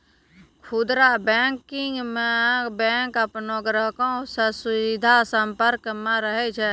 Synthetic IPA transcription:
kʰud̪ɾabɛːŋkɪŋɡmẽbɛ̃ːŋkəpnoɡɾəɦkõsəsʊʋid̪ʱasəmpəɾkmẽɾəɦet͡ʃʰɛ

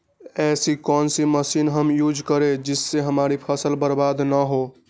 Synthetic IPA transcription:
ɛsikɔnsiməsinɦəmjud͡ʒkəɾed͡ʒisːeɦəmaɾipʰəsəlbəɾbad̪nəɦo

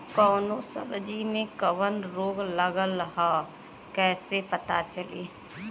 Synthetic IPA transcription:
kɔːnosə̰bd͡ʒimẽkəʋənɾoːɡləɡələɦa | kɛːsepɐt̪at͡ʃəlḭː

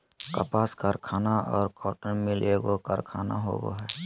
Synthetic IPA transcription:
kəpaːskaɾkʰaːnaɔːɾkɔːʈəmɪleːɡokəɾkʰaːnaɦo̰ːɡo̰ɦɛː

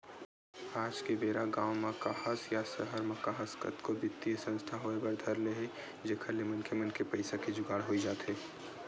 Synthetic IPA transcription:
aːd͡ʒkebeːɾaɡaːwmakahəsjasəɦəɾmɐkaɦəskə̰t̪kobɪt̪ːisə̃nst̪ʰaɦoebəɾd̪ʱəɾleɦe | d͡ʒekʰəlemənkʰemənkepəɪsaked͡ʒʊɡaːɽɦoid͡ʒaːt̪ɦeː

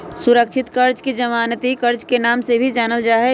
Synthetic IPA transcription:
sʊɾəkʃʰɪt̪kɐɾd͡ʒked͡ʒəmaːnət̪ikɐɾd͡ʒkenaːmsebʱid͡ʒaːnəld͡ʒaːɦɛ

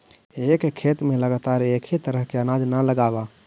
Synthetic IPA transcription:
eːkkʰːeːt̪mẽləɡaːt̪aːɾeːkʰit̪əɾəɦkeənaːd͡ʒnaləɡaːba

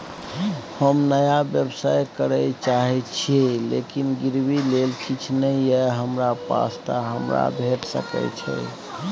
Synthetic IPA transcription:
həmnəjabjəbsajkəɾɛt͡ʃaɦɛt͡ʃʰielḛkinɡiɾbilelkit͡ʃʰnəjɛɦəmɾapa̰st̪aɦəmɾa̰bʱeʈsə̰kɛ̰t͡ʃʰɛ̰

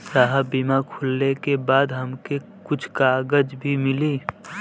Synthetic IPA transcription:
saɦəbimakʰʊlnekebaːd̪ɦɐmke | kʊt͡ʃʰkaːɡəd͡ʒbʱimɪliː

